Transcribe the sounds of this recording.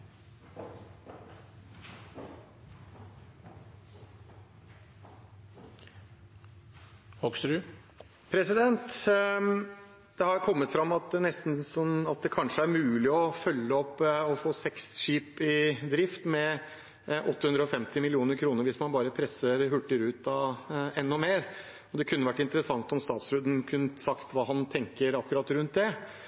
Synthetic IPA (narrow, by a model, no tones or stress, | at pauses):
hɔksɾʉ | pʰɾɛsɪd̪ɛnt̪ | d̪̥ɛhɑɾkʰɔmːət̪fɾɑmːɑt̪̚nɛst̪n̩sɔɑt̪̚d̪ɛkʰɑnʂəæɾmʉːlɪɔfœlːəɔpːɔfoːsɛksʂiːpɪd̪ɾɪft̪mɛ | ʔɔt̪ːəhʉnd̪ɾəɔfɛmt̪ɪmɪlɪuːnəɾkʰɾuːnəɾʋɪsmɑnbɑːɾəpʰɾɛsəɾɦʉʈːəɾʉːt̪ɑɛnːʊmeːɾ | ɔd̪ɛkʰʉnːəʋæʈːɪnt̪əɾəsɑŋt̪ɔmst̪ɑːt̪sɾʉːd̪nkʰʉnːsɑkt̪ʋɑːɦɑnt̪ʰɛŋkəɾɑkːʉɾɑt̪ːɾʉnt̪̚d̪ɛ